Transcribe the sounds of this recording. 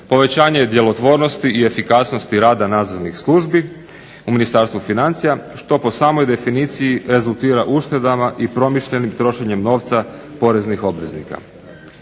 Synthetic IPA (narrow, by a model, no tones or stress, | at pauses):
po̞ʋe̞t͡ɕaːɲed̪je̞lo̞t̪ʋo̞ːɾno̞st̪iie̞fikasnost̪iɾaːd̪anaːd̪zo̞ɾnixslˠuʒbi | uminist̪aɾst̪ʋufinant̪sijaʃt̪o̞po̞saːmo̞jd̪e̞finiːt̪sijiɾe̞zulˠt̪iːɾaʔuʃt̪e̞d̪amaʔipɾo̞miʃʎe̞nimt̪ɾo̞ʃe̞ɲe̞mno̞ːʋt̪sapo̞ɾe̞znixo̞bʋe̞znḭka̰